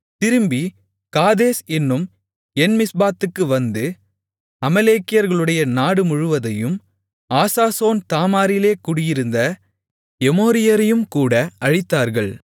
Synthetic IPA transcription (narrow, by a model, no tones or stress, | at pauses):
t̪ɪɾɯmbi | kaːðeːsɛnːɯm | ɛnmɪsbaːt̪ːɯkːɯʋɐnd̪ɯ | ɐmɐleːkːɪjɐɾɣɐɭɯɽɐjɐnaːɽɯmʊɻɯʋɐðɐjɯm | aːsaːsoːnt̪aːmaːɾɪleːkuɽɪjɪɾɯnd̪ɐ | ɛmoːɾɪjɐɾɐjɯmkuːɽɐʔɐɻɪt̪ːaːɾɣɐɭ